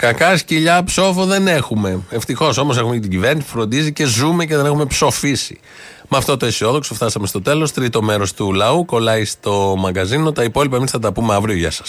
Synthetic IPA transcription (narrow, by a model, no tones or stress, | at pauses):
kɐkɐsciʎɐpso̞fo̞ðe̞ne̞xume̞eft̪ixo̞so̞mos̬e̞xumecet̪iɟive̞ɾnisipu̥fɾo̞nd̪izice̞zume̞ce̞ðene̞xume̞pso̞fisḭ | mɐft̪o̞t̪o̞esio̞ðo̞ksoft̪ɐsɐmest̪o̞t̪e̞lo̞st̪ɾit̪o̞me̞ɾo̞st̪ulɐuko̞lɐist̪o̞mɐɡɐzino̞t̪ɐipo̞lipɐemisθɐt̪ɐpume̞ɐvɾio̞ʝɐsɐ̥s